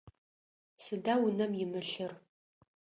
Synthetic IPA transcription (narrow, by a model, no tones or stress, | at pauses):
sɨdawʊnɐmjɪmɨɬɨr